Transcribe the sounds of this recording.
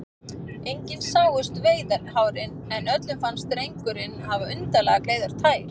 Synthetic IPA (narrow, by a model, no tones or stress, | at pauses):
ejɲcɪðsaːwɣʏst̪veːjðaɾhaːwɾɪnɛnœt̪lʏmfanst̪ɾejŋkʏɾɪnːhavaʏnt̪alɛɣakleːjðaɾ̥t̪ʰaːjɾ̥